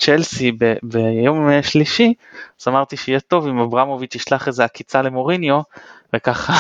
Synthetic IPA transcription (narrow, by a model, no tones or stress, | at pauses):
t͡ʃelsibebejo̞meʃliʃiazamaʁt̪iʃeijɛt̪o̞vimabʁamo̞vit͡ʃiʃlaχezeakit͡sale̞mo̞ʁinjo̞vekaχa